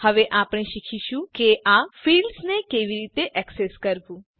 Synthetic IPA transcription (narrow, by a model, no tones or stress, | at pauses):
həʋeʔapɽ̃eʃikʰiʃũkeʔafilɖsnekeʋiɾit̪eʔɛkseskəɾbũ